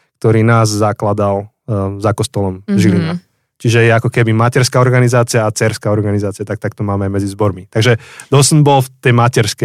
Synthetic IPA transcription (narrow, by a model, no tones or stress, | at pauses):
k̚t̪ɔɾiːnaːzzaklad̪al | zakɔst̪ɔlɔmʒilina̰ | t͡ʃiʒɛjɛakɔkɛbimacɛɾskaɔɾɡanizaːt͡sijaːt͡sɛɾskaɔɾɡanizaːt͡sijat̪akt̪ak̚t̪ɔmaːmɛaɪmɛd͡zizbɔɾmit̪aɡʒɛd̪ɔsnbɔlft̪ɛjmacɛɾskɛ